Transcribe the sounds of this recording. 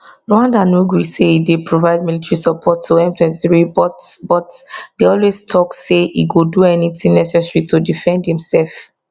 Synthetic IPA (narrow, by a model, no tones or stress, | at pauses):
ɹoãndanuɡɹiseidepʰɹovaɪd̚militɹisɔpʰɔtʰːoɛ̃mtɛ̃nsiɹibɔtbɔtdeɔlwestʰɔkseḭɡoduɛnitĩŋnɛsɛsɹitodifɛ̃ndhĩmsɛlf